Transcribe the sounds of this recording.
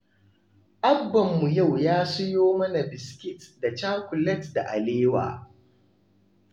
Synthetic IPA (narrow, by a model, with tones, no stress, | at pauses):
ʔa˦bːɐ˨mːu˨ja˦˨wjaː˦sʊ˦joː˦mɐ˦na˨bɪ˨skʲɪ˦tda˨t͡ʃaː˦kʷʊ˨lɛ˦tda̰˨ʔa˨leː˦wa̰ː˨